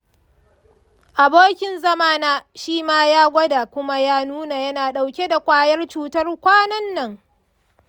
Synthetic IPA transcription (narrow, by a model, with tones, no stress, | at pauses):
ʔa˨boː˦kʲɪ˨nzɐ˦maː˦naː˦ʃiː˦maː˦jaː˦ɡʷɐ˦da˨kʷʊ˦ma˦jaː˦nuː˦na˨jɐ˦naː˨ɗa˨wkʲe˦da˨kʷaː˦jɐ˦rt͡ʃuː˦tɐ˦rkʷaː˦nɐ˦nːɐ˦˨ŋ